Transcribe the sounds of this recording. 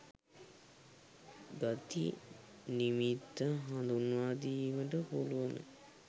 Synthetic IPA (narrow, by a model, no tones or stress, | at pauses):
ɡat̪ḭ | nimit̪ːəɦand̪unʋaːd̪iməʈəpuluʋənə̰